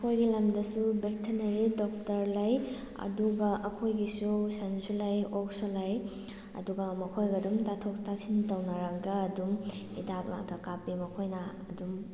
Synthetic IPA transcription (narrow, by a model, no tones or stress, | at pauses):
kʰojɡilɐmdɐsubek̚tʰɐnɐɾidɔk̚tɐɾlɐj | ɐ̰duɡɐʔɐkʰojɡisusansulɐjok̚solɐj | ɐ̰duɡɐmɐkʰojɡɐdumtatʰoktasintɐwnɐɾɐɡɐːduŋidak̚la̰kʰɐkapimɐkʰojnɐɐdum